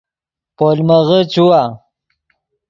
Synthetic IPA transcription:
polməɣət͡ɕuwa

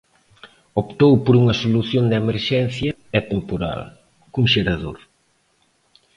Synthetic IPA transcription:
opt̪owpoɾuŋɐsoluθjond̪emeɾʃɛnθjɐɛt̪empoɾa̰l | kuŋʃeɾaðo̰ɾ

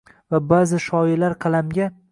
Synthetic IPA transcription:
vabazɪʃɒjɪlaɾqʰɑlˠamɡʲa

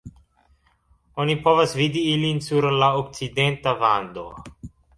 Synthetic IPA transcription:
onipo̞vasvid̪iilinsuɾlaok̚t͡side̞nt̪avand̪o̞̰

